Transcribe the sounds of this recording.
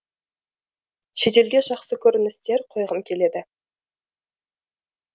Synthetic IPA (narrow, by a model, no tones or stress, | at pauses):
ʃe̞t̪e̞lɡʲe̞ʒɑqsəkʲʰɵɾɪnɪst̪e̞ɾqʰo̞jʁəmkʲʰe̞le̞d̪ɪ